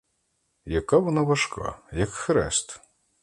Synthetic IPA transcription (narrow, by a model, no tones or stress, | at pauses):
jɐkaʋɔnɑʋɐʃkʰɑ̰jɐkxɾɛ̰st̪